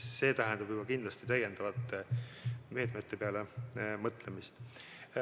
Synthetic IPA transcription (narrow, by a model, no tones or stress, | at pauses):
se̞ːt̪æɦɛnd̪ɑb̥jubɑkind̪lɑst̪it̪æje̞nd̪ɑvɑt̪ˑːeme̞ːt̪met̪ːe̞peɑle̞mɤt̪ːˑle̞mist̪